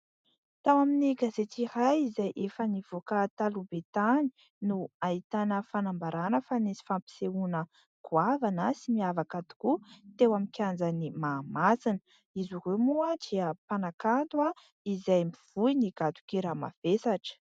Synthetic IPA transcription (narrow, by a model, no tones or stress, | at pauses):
t̪awaminiɡazet͡s̪iɾajizajʔefəniv̥okat̪alubet̪ani̥ | nuait̪anəfanambaɾanəfanesi̥fampi̥seunə | ɡ̥uavanəsimiavakad̪i̥kut̪ewamikʰʲand͡zanimaːmasinə̥ | izuremuad̪iəpanakant̪wa | izajmiv̥ujniɡ̥at̪u̥kiɾama̰v̥esaʈ͡ʂə̥